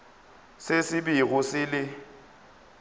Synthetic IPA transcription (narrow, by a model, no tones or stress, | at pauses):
sɪsɪbiɣʊsɪlɪ